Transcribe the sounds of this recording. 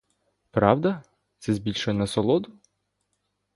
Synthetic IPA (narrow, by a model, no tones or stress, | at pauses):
pɾɑwd̪ɐ | t̪sɛzʲbʲilʲʃɔjɛnɐsɔlˠɔd̪ʊ